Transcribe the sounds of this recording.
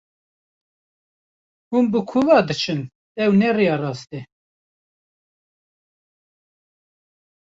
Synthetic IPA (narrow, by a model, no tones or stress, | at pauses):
hunbəkʰuvɑːd̪ɨt͡ʃʰɨn | ɛwnɛrijɑrɑːst̪ɛ